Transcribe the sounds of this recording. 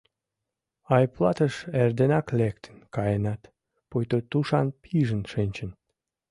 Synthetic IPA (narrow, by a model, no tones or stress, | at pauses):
ɑjplˠɑt̪əʃerd̪enɑklekt̪ʰə̥nkɑjənɑt̪ | pojt̪ot̪uʃɑnpʰiʒənʃenʲt͡ɕə̆n